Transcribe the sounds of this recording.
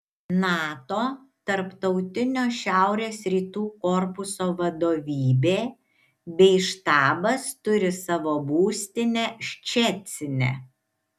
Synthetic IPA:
nɑːt̪oː | t̪ɐɾpt̪ɒʊt̪ʲɪnʲoːʃʲæˑʊɾʲeːsɾʲiːt̪uːkɔɾpʊsoːʋɐd̪oːʋʲiːbʲeː | bʲɛɪʃt̪ɑːbɐst̪ʊɾʲɪsɑʋoːbuːsʲt̪ʲɪnʲɛʃʲt͡ʃʲɛt̪ʲsʲɪnʲḛ

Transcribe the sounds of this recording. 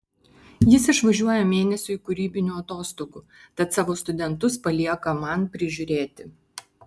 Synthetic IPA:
jɪsɪʃʋɐʒʲuɔjɛmʲeːnʲɛsʲʊːɪkʊɾʲiːbʲɪnʲuːɐt̪oːst̪oːɡuː | t̪ɐt̪sɑːʋoːst̪ʊd̪ʲɛnt̪ʊspɐlʲiɛkɐmɐnpʲɾʲɪʒʲʊɾʲeːt̪ʲɪ

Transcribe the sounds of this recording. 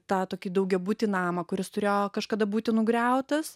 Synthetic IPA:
t̪ɑːt̪oːkʲiːd̪ɐʊɡʲɛbuːt̪ʲinɑːmɐkʊɾʲɪst̪ʊɾʲeːjoːkɐʃkɐd̪ɐbuːt̪ʲɪnʊɡɾʲɛʊt̪ɐs

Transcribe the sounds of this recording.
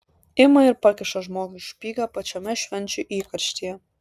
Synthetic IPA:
ɪmɐɪɾpɑkʲɪʃɐʒmoːɡʊʃpʲiːɡɑpɐt͡ʃʲɛmʲɛʃʲʋʲɛnʲt͡ʃʲʊʔiːkɐɾʲʃʲt̪ʲijɛ

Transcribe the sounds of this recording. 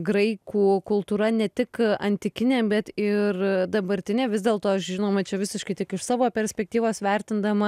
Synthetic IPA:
ɡɾɐɪkuːkʊlˠt̪uːɾɐnʲɛt̪ʲɪkɐnʲt̪ʲɪkʲɪnʲeːbʲɛt̪ɪrd̪ɐbɐɾʲt̪ʲɪnʲeːʋʲɪzd̪ʲeːlˠt̪oːɐʃʒʲɪnoːmɐt͡ʃʲɛʋʲɪsʲɪʃkɐɪt̪ʲɪkɪʃsɑːʋoːpʲɛɾʲsʲpʲɛk̚t̪ʲiːʋoːsʋʲɛɾʲt̪ʲɪnd̪ɐmɐ

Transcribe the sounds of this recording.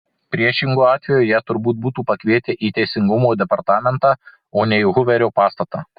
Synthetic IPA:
pʲɾʲiɛʃʲɪŋɡuːɑːt̪ʲʋʲɛjoːjæːt̪ʊɾbuːt̪̚buːt̪uːpɐkʲʋʲiɛt̪ʲɛʔiːt̪ʲɛɪsʲɪŋɡʊmoːd̪ʲɛpɐɾt̪ɑːmʲɛnt̪ɑː | oːnʲɛiɦʊʋʲɛɾʲoːpɑːst̪ɐt̪ɑ̰ː

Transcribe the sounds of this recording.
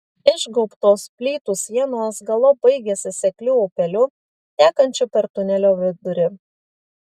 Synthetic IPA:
ɪʒɡɔʊpt̪oːspʲlʲiːt̪ʊsʲjiɛnoːsɡɐlˠɔbɐɪɡʲɛsʲɪsʲɛklʲuːopʲɛlʲʊ | t̪ʲæːkɐnʲt͡ʃʲʊpʲɛɾt̪ʊnʲɛlʲoːʋʲɪd̪ʊɾʲɪ

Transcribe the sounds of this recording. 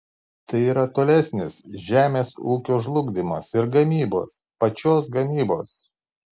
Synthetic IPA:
t̪ɐɪiːɾɐt̪oːlʲɛsʲnʲɪsʒʲæːmʲeːsuːkʲoːʒlˠʊɡd̪ʲɪmɐ̰sɪɾɡɐmʲiːbo̰ːs | pɐt͡ʃʲoːs̬ɡɐmʲiːbo̰ːs

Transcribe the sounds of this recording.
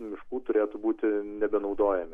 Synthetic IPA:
mʲɪʃkuːt̪ʊɾʲeːt̪ʊbuːt̪ʲɪnʲɛbʲɛnɒʊd̪oːjɛmʲɪ

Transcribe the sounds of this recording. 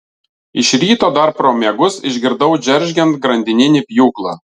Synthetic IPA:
ɪʃɾʲiːt̪oːd̪ɐɾpɾoːmʲeːɡʊsɪʒʲɡʲɪɾd̪ɐʊd͡ʒʲɛɾʲʒʲɡʲɛnt̪̚ɡɾɐnʲd̪ʲɪnʲɪnʲɪpʲjuːklˠɑː

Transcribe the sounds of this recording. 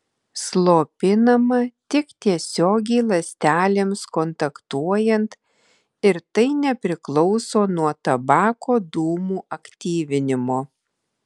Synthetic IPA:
slˠoːpʲɪnɐmɐt̪ʲɪkt̪ʲiɛsʲoːɡʲɛɪlˠɐsʲt̪ʲæːlʲemskɔnt̪ɐkt̪uɔjɛnt̪ | ɪɾt̪ɐɪnʲɛpʲɾʲɪklˠɔʊsoːnuɔt̪ɐbɑːkoːd̪uːmuːʔɐkt̪ʲiːʋʲɪnʲɪmoː

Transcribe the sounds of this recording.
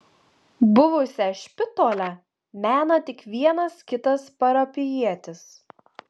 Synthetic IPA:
bʊʋʊsʲɛʃʲpʲɪt̪oːlʲɛ | mʲæːnɐt̪ʲɪkʋʲiɛnɐskʲɪt̪ɐspɐɾɐpʲɪjiɛt̪ʲɪs

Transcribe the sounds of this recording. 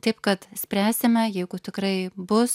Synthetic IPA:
t̪ɐɪpkɐt̪sʲpʲɾʲæːsʲɪmʲɛjɛɪɡʊt̪ʲɪkɾɐɪbʊs

